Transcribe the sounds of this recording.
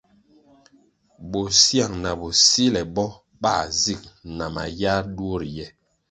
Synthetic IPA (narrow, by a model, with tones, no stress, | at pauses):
bo˨sja˦˨ŋna˨bo˨si˦lɛ˨bɔ˦ | ɓa˦˨zi˦˨k̚na˨ma̰˨ja˦ɾdwo˦ɾjɛ˦